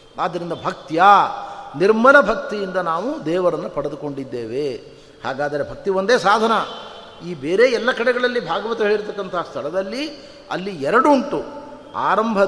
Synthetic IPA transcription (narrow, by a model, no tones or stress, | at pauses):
aːd̪ːɐɾind̪ɐbʱɐk̚t̪janiɾmɐnɐbʱɐk̚t̪ijind̪ɐnaːʋud̪ɛːʋɐɾɐnːupɐɽed̪uko̞ɳɖid̪ːeːʋe | ha̰ːɡaːd̪ɐɾe̞bʱɐk̚t̪iʋond̪eːsaːd̪ʱɐnɐ | iːbeːɾe̞ːɛlːɐkɐɽɛɡɐɭɐlːibʱaːɡɐʋɐt̪ɐɦeːɽit̪ɐkːɐnt̪ʰɐst̪ʰɐɭɐd̪ɐlːi | ɐ̰lːiɛɾɐɽuɳʈu | a̰ːɾɐmbʱɐ